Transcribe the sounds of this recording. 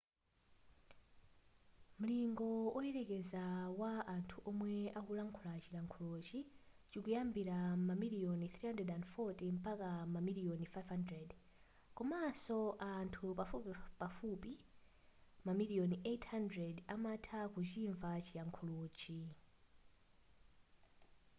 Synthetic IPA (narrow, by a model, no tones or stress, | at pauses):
m̩liŋɡɔɔɛɾɛkɛzawaʔantʰuʔɔmwɛakulaŋkʰulat͡ʃilaŋkʰɔlot͡ʃi | t͡ʃikujambiɾamamiliɔniθɾihandɾɛdandfɔtim̩pakamamiliɔnifajvhandɾɛd | kɔmasɔʔantʰupafupipafupi | mamiliɔnetʰhandɾɛdamatʰakut͡ʃiɱvat͡ʃilaŋkʰɔloːt͡ʃi